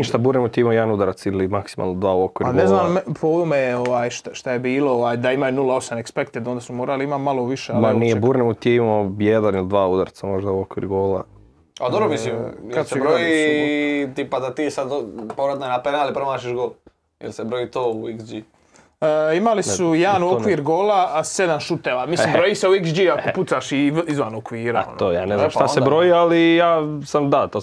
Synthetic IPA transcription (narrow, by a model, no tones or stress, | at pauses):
niʃt̪abuːɾnemot̪iimaojɛanud̪aɾat̪silimaksima̰lˠnod̪ʋaːuokʋiɾɾɡneznaːmpoumejeoʋaːjʃt̪aʃt̪ajebiːlooʋaːjd̪aimajunulaosamekspekt̪ed̪ond̪asumoːɾaliimamaloʋiʃemanijebuːɾnemot̪iiimojed̪anilid̪ʋaːud̪aɾt̪samo̞ʒd̪auokʋḭɾɡoːla̰ | ad̪obɾomislimjkaseebɾoi | t̪ipad̪at̪iːsad̪poɾat̪nanapenalipɾomaːt͡ʃiʒɡoːl | jḛlsebɾojit̪oːuiksd͡ʒi | imalissujeanuokʋiɾɡoːlased̪anʃut̪eʋamislimbɾojiːseuiksd͡ʒiakoput̪saʃiizʋanokʋiːɾaao̰nt̪ojaːneznamʃt̪asebɾojialijaːsamd̪at̪o